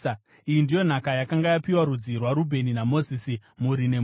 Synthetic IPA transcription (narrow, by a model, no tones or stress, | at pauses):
ijindijo̞n̤akajakaŋɡajapiwaɾud͡zirwaɾubʱe̞ninamo̞zisimuɾine̞